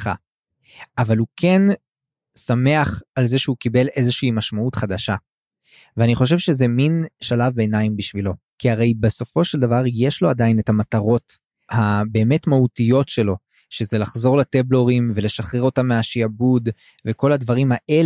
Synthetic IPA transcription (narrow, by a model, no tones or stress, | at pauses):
χa̰ | avalukʰe̞n | same̞aχalzeʃehukibe̞le̞ze̞ʃiːmaʃmautχad̪aʃa | veaniχo̞ʃ̬evʃezeminʃalavbeːnaimbiʃvilo̞ | kiaʁe̞jbeso̞fo̞ʃeld̪avaʁjeʃlo̞adaine̞tamataʁo̞t | habe̞ːme̞tmautijo̞tʃe̞lo̞ | ʃe̞ze̞laχzo̞ʁlateblo̞ʁimve̞le̞ʃaχʁeʁo̞tamːeaʃiabud | veko̞lad̪vaʁimhaʔe̞l